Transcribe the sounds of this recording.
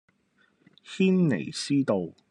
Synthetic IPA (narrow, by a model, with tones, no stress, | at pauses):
hiː˥nːḛ˨˩jsiː˥t̪o˨˧w